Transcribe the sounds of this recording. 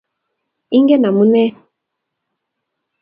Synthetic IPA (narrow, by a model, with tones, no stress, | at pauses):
i˦ŋɡɛ˦na˨mu˦nɛ˦